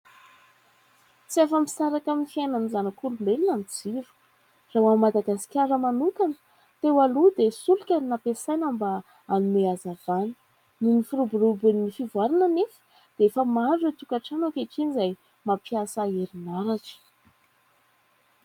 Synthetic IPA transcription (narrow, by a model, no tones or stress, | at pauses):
t͡siafəmisaɾakamfiajnanizanakuɾumelinanid͡zivə̥ | rawammad̪aɡasi̥kʲaɾəmanukanə̥ | t̪ewalud̪esulukʲannapesajnamba | anumeazav̥anə̥ | ninifiɾubuɾubunifivwaɾananefə̥ | d̪̥eefəmaɖ͡ʐət̪ukaʈ͡ʂanokeʈ͡ʂinizaj | mapiasəeɾinaɾaʈ͡ʂi̥